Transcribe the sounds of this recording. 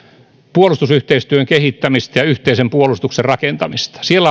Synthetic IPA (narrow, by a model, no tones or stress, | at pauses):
puolust̪usyht̪eist̪yøŋkehit̪ːæmist̪ɑjɑyht̪eisempuolust̪ukserrɑkent̪ɑmist̪ɑ̥sielːæ